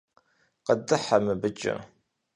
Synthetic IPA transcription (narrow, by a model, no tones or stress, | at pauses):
qədɨħamɨbɨt͡ʃʼɐ̰